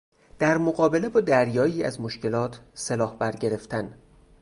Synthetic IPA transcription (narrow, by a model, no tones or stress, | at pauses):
d̪̥æɾmoɣɒːbe̞le̞bɒːd̪æɾjɒːiːæ̰zmoʃce̞lɒːt̪ʰselɒːhbæɾɟe̞ɾe̞ft̪ʰæn